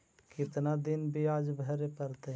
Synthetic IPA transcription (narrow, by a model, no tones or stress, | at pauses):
kɪt̪nad̪ɪnbʱiaːd͡ʒbʱəɾepəɾt̪e